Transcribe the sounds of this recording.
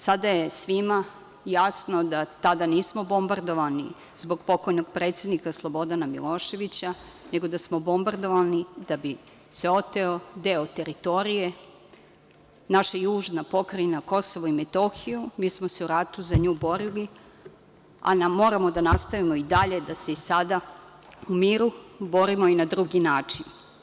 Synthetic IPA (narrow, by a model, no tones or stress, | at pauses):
sad̪ajesʋima | jasnod̪at̪ad̪aniːsmobo̞mbaɾd̪o̞ʋanḭ | zbo̞ɡpo̞ko̞jnoɡ̚pɾe̞ːt̪sje̞d̪nikaslˠo̞bo̞d̪anamḭlˠo̞ːʃe̞ʋit͡ɕa | ne̞ɡo̞d̪asmo̞bo̞mbaɾd̪o̞ʋanid̪abi | seo̞t̪eod̪eot̪e̞ɾit̪o̞ɾije | naʃajuːʒnapo̞kɾajnako̞soʋoimet̪oxijumiːsmose̞uɾat̪uzaɲuːbo̞ɾili | a̰namo̞ːɾamo̞d̪anast̪aʋimo̞id̪aʎe̞d̪aseisad̪a | umiːɾubo̞ɾimoinad̪ɾuɡinaːt͡ʂin